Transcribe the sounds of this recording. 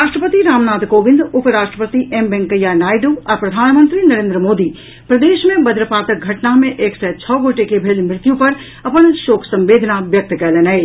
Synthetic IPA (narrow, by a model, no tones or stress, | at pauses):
ɾaːʃʈɾəpət̪iɾaːmnaːt̪koːʋɪ̃nd̪ʊpɾaːʃʈɾəpət̪iʔembɛ̃ːŋkəjanaːɪɖuɔːɾpɾɐd̪ʱaːnmə̃nt̪ɾinɐɾẽːnd̪ɾəmoːd̪i | pɾəd̪eːʃmẽbəd̪ɾəpaːt̪əɡʱɐʈnamẽʔeːksɛt͡ʃʰɔːɡoːʈekebʱeːlmɾɪt̪jũpɐɾ | ɐpənʃoːkʰsɐ̃mbeːd̪ʱnaʋjɐk̚t̪kɛːleːnae